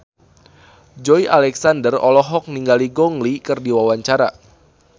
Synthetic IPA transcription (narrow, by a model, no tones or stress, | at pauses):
d͡ʒɔjʔalɛksandərɔ̰lɔɦɔk̚niŋɡaliɡɔŋlikɨrdiwawaɲt͡ʃaɾa̰